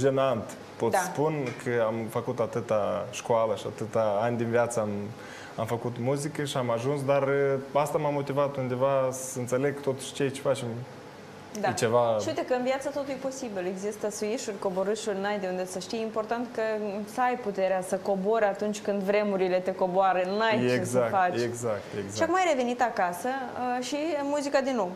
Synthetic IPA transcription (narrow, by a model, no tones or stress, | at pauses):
ʒenant̪ | po̞t̪sspunkʰəamfəkut̪at̪ɨt̪aʃkoaləʃia̰t̪ɨt̪aanʲd̪inviat̪səam | amfəkut̪muzikəʃiamaʒuns̬d̪arast̪amamːo̞t̪ivat̪und̪e̞vasəɨnt̪se̞le̞ɡ̚t̪ot̪u̥ʃt͡ʃejt͡ʃefat͡ʃem | d̪at͡ʃe̞vaʃiuit̪ekəɨnvjat̪sət̪o̞t̪ujpo̞sibile̞ɡzist̪əsuiʃurʲko̞bo̞ɾɨʃurʲnajd̪eund̪esəʃt̪ijimpo̞rt̪ant̪kəsəajput̪e̞ɾeasəko̞bo̞ɾat̪unt͡ʃʲkɨnd̪vɾe̞muɾile̞t̪e̞ko̞boaɾənajt͡ʃezakfat͡ʃeɡzak̚t̪eɡzaakumajɾe̞ve̞nit̪akasəʃimuzikad̪inːo̞w